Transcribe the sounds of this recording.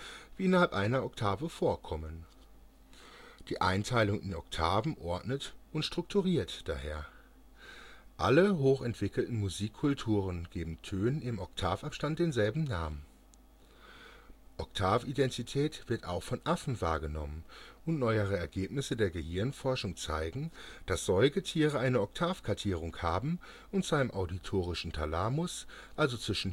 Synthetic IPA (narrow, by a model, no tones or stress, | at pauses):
viːʔɪnɐhalpʔaɪnɐɔktʰaːvəfoːɐkʰɔmən | d̥iːʔa̰ɪntʰaɪlʊŋʔɪnɔ̰ktʰaːvn̩ʔɔɐtnətʔʊntʃtʁ̥ʊk̚tʰuʁiːɐtd̥a̰ːheːɐ | ʔa̰ləɦoːxɛntv̥ɪkl̩tn̩muziːkʰːʊltʰuːʁənɡ̥eːbm̩tʰøːnɪmɔktʰaːfapʃtant̚d̥eːnzɛlbm̩naːmən | ʔɔktʰaːfidɛntʰitʰɛːtv̥ɪɐta̰ʊxfɔnʔafn̩va̰ːɐɡənɔ̰mənʔʊntnɔʏəʁ̞əɛɐɡeːpnɪsədeːɐɡəhɪɐnfɔɐʃʊŋt͡sa̰ɪɡŋ̩d̥asz̥ɔʏɡətʰiːʁəʔaɪnəɔktʰaːfkʰaɐtʰiːʁ̞ʊŋkhaːbm̩ | ʔʊntt͡saɪəmʔaʊditʰoːʁ̞ɪʃn̩tʰalaːmʊs | ʔalzot͡sv̥ɪʃn̩